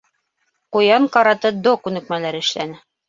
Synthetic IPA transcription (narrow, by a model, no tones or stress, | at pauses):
qujɑɴqɑɾɑt̪ɤd̪okʉnɘ̆k̚mælæɾɘ̆ʃlænɘ